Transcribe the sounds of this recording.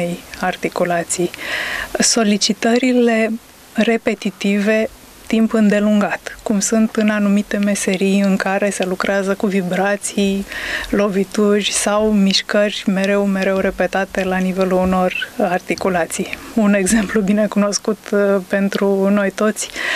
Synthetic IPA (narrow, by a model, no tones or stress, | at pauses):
ejart̪ikulat̪sij | so̞lit͡ʃit̪əɾile̞ | re̞pe̞t̪it̪ive̞ | t̪impɨnd̪eluŋɡat̪kumsunt̪ɨnanumit̪e̞me̞se̞ɾijɨŋkaɾe̞se̞lukɾeazəkuvibɾat̪sijlo̞vit̪uʒʲsawmiʃkərʲme̞ɾe̞wme̞ɾe̞wɾe̞pe̞t̪at̪e̞lanive̞luːno̞rart̪ikulat̪sijune̞ɡze̞mplubine̞kuno̞skut̪pe̞nt̪ɾuno̞jt̪o̞t̪sʲ